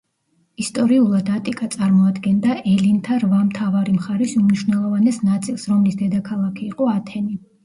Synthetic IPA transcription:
ist̪ʼɔɾiulˠad̪at̪ʼikʼat̪sʼaɾmɔad̪ɡɛnd̪aʔɛlint̪ʰaɾvamt̪ʰavaɾimχaɾɛsumniʃwnɛlˠɔvanɛsnat̪sʼilˠsɾɔmlisd̪ɛd̪akʰalˠakʰiːqʼɔat̪ʰɛni

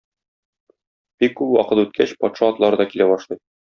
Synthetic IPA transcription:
b̥ikːʉpwɒ̰qɤt̪ʉt̪̚kʰæɕpɒt̪ʃɑɒt̪lˠɑɾɤd̪ɒkilæbɒʃlˠɤj

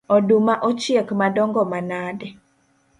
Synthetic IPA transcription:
ɔdumaʔɔt͡ʃjekmadɔŋɡɔmanadɛ

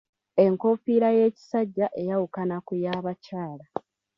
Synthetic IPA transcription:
e̞ŋko̞fiɾaje̞ːci̥saɟːaʔe̞jawukanakujaːβacaːla

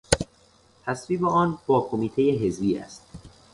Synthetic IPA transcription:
t̪ʰæsviːbeɒːnbɒːkʰo̞miːt̪ʰe̞jeɦe̞zbiːæ̰st̪̚

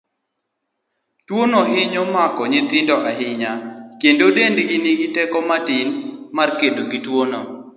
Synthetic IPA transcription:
twonoʔɪɲomakɔɲit̪ɪndɔʔaɦɪɲakendodendɡiniɡitɛkɔmatɪnmarkendoɡitwono

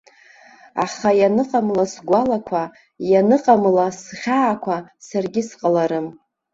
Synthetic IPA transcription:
a̰χajanɨqʼamlasɡʷalakʷʰa | janɨqʼamlasχʲaːkʷʰasarɡʲɪsqʼalaɾɨm

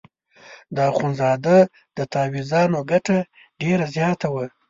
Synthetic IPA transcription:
d̪əxunzɑd̪a | d̪̥ət̪ɑwizɑnoɡaʈa | ɖeɾazjɑt̪awa

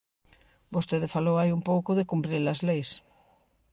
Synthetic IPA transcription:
bost̪eðɪfalowajumpowkoðekumpɾelɐzlejs

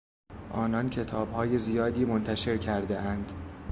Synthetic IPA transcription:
ʔɒːnɒncʰe̞t̪ʰɒːbhɒːje̞zijɒːd̪iːmont̪ʰæʃe̞ɾcʰæɾd̪eʔænd̪̥

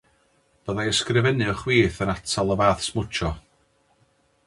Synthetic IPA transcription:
b̥əðajəskrɪvɛnɨɔχwiːθənatʰalˠəvaːθsmʊt͡ʃʰɔ

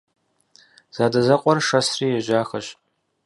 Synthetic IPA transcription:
z̥aːdɐzɐqʷʼɔrʂɐsriːjɛʒaːxɐɕ

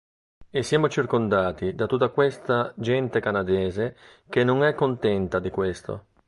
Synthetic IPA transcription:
esːjaːmot͡ʃirkond̪aːt̪id̪at̪ːut̪ːakwest̪ad͡ʒɛnt̪ekanad̪ɛːze | k̟enːoŋɛkːont̪ɛnt̪ad̪ikwest̪o̰

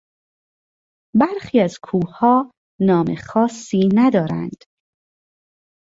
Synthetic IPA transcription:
bæɾxiːæzkʰuːhɒː | nɒːmḛxɒːsːiːnæd̪ɒːɾæ̰nd̪̥

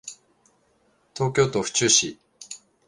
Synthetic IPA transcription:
t̪o̞ːk̬ʲo̞ːt̪o̞ɸɯ̟̥t͡ɕɨːɕi

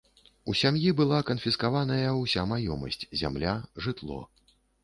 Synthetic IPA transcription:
usʲamjibɨlˠakɐnfʲiskavanɐjɐwsʲamajɔmɐ̰sʲt͡sʲzʲa̰mlʲaʐɨt̪lˠɔ̰

